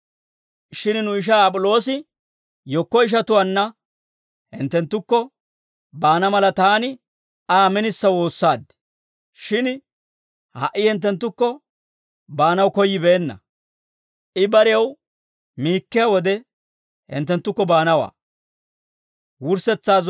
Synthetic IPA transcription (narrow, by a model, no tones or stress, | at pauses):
ʃɪnnʊɪʃ̬aːpʼʊlo̞ːsɪ | jɔkːɔɪʃ̬ɐt̪ʊwɐnːɐ | hɪ̰nt̪ːɛnt̪ːʊkːɔ | baːnɐmɐlɐt̪aːnɪ | aːmɛnɪsːɐwo̞ːsːaːd̪ | ʃɪn | hɐ̰ʔːɪhɪnt̪̬ːɛnt̪ːʊkːɔ | baːnɐwkɔjːɪbeːnːɐ̰ | ʔɪbɐɾɪjɐw | miːkːɪjɐwɔd̪ɛ | hɪ̰nt̪̬ːɛnt̪ːʊkːɔbaːnɐwa̰ː | wʊɾsɛt͡sːaːz